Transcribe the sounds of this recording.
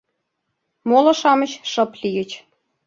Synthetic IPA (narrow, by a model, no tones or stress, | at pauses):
molɤ̆ʃɑmət͡ɕʃɤ̆plijə̆t͡ɕ